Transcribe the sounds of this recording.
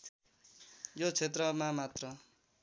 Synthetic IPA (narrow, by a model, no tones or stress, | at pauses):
jot͡sʰet̪rʌmamat̪rʌ